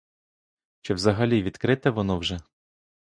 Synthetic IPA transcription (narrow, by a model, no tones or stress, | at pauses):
t͡ʃɛwzɐɦɐlʲiʋʲid̪kɾɪt̪ɛʋɔnɔwʒɛ